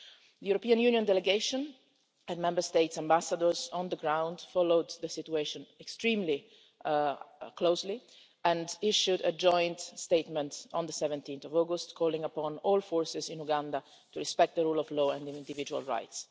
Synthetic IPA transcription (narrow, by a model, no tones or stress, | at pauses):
d̪əjuɾopiãnjuːnjɔ̃nd̪ɛlɛɡeɪʃɔ̃n | ɛ̃nmɛ̃mbəɹst̪eɪtsãmbasad̪əɹzɔ̃nd̪əɡɾãw̃nd̪fɔlowd̪ðəsɪt̪ueʃɔ̃nɛkst̪ɹĩːmli | kloʊsli | ɛ̃ndiʃudəd͡ʒɔ̃jnt̪st̪eɪt̪mɛ̃nt̪ɔ̃nd̪əsɛvɛ̃nt̪ĩnθɔvɔɡʊst̪kʰɔːlĩŋəpɔ̃nɔlfɔːɹsɪzɪ̃nuɡãnd̪a | t̪uɹɛspɛk̚t̪̚d̪əɾuːlɔvlɔːɛ̃ndɪ̃nd̪ivid͡ʒua̰lɹa̰jt̪s